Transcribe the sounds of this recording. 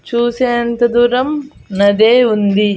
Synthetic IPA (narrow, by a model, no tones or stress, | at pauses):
t͡ʃuːseːɐnt̪ɐd̪uɾɐmnɐd̪eːund̪i